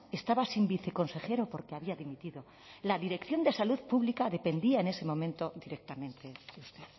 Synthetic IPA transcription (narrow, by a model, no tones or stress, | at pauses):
e̞st̪aβasimbiθe̞ko̞nse̞xe̞ɾopo̞ɾkeaβiaðimit̪iðo̞ | laðiɾe̞kθjo̞nd̪e̞saluðpuβlikaðe̞pe̞nd̪iaene̞se̞mõ̞mẽ̞nt̪o̞ðiɾe̞k̚t̪amẽnt̪e̞ðeust̪e̞ð